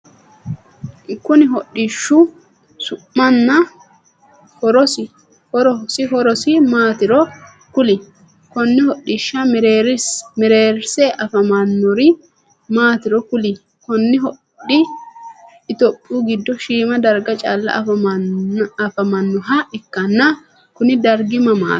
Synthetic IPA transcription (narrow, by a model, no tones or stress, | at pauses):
kːʊnɪɦɔɗːɪʃːʊ | sʊʔːɐnːɐ | hɔɾɔsɪ | hɔɾɔsɪɦɔɾɔsɪmaːt̪ɪɾɔ | kʊlɪ | kɔnːɪhɔɗːɪʃːɐmɾeɾsmɛɾeːɾsɛʔɐfɐmɐnːɔɾɪ | maːt̪ɪɾɔkʊlɪ | kɔnːɪɦɔ | ɗɪ | ɪt̪ɔpʼːuːɡɪd̪ːɔʃiːmɐd̪ɐɾɡɐt͡ʃʼa̰ːlːɐ̰ | ɐfɐmɐnːɔɦɐʔɪkːɐnːɐ | kʊnɪd̪ɐɾɡɪmɐma̰ː